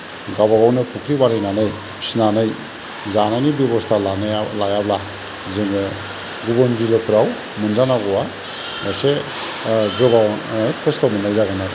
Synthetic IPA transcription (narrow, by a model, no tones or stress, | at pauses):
ɡaβaɡawnɯpʰukʰɾibaɾɯjnanɯj | snanɯj | zananibjeβɔstʰalanlajabla | zeŋɯ | ɡubɔnɾilɯkʰɯɾaw | mɯnzanaɡɔwa | najse | ɡɯbakʰɔstamɯnajzaɡana